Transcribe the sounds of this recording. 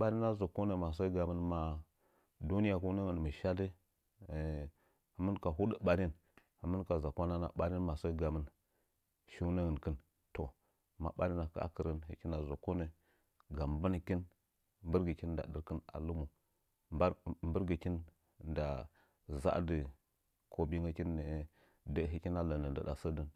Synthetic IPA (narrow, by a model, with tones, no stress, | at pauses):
ɓa˦ɾi˦na˦zo˨kːo˦ne˨ma˨sə˦ɡa˨mə˦nma˨˦ | du˦ni˦ja˨ku˦nə˦ŋə˨n˨mə˨ʃa˦də˦˨ | hə˨˦mə˦nka˨ɦu˦də˦ɓa˦ɾi˦n | hə˨mə˦nka˨za˨kʷa˦na˦na̰˨ɓa˦ɾi˦nma˨sə˦ɡa˨mə˦n | ʃi˦nə˦ŋə˨nkə˦n | to˨ | ma̰˨ɓa˦ɾi˦na˨ka̰˦a̰˦kə˨ɾə˦nɦə̰˦ki˦na˨zo˨ko˦nə˦ | ɡa˨mbə˦n˨ki˦n | mbə˦ɾɡə˨ki˦n˦da̰˨ɗə˦ɾkə˦na̰˨lu˦mu˨˦˨ | mbə˦ɾɡə˨ki˦n˦ | da˨ | za̰˦də˨ | kʰo˨bi˦ŋə˦ki˦nːə˨˦ | də˦ɦi˦ki˦na˦lə˨nə˨n˨də̰˨da̰˨sə˦də˨n